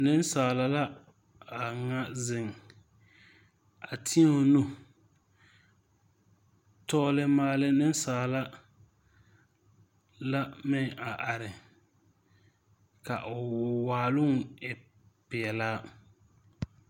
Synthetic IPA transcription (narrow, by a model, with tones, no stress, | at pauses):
nɪ˦nsaː˨la˨la˦ | a˨ŋa˦zɪ˨ŋ˨ | a˨tʰi˦o˦˨nu˦ | tɔː˦lɪ˦maː˦lɪ˦nɪ˦n˦saː˨la˦ | la˦mɪ˦ŋa˨ʔa˨ɾɪ˨ | ka̰˨ʔʊ˨waː˨lʊ˦ŋ˨ɪ˨ | pɪ˨ɛ˨laː˦